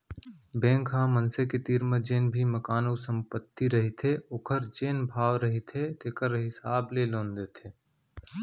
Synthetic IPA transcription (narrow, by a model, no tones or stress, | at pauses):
bẽːŋkɦãmənseket̪iːɾməd͡ʒeːnbʱiməkaːnoːsə̃mpət̪ːiɾəɦit̪ʰeokʰəɾd͡ʒeːnbʱaːʋɾəɦit̪ʰet̪ekəɾɦɪsaːblelõːnd̪eːt̪ʰeː